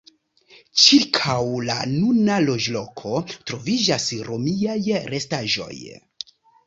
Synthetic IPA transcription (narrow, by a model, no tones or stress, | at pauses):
t͡ʃiɾkʰawla̰nunalo̞d͡ʒlo̞kʰo̞tɾo̞vid͡ʒasɾo̞miajɾe̞staʒo̞̰j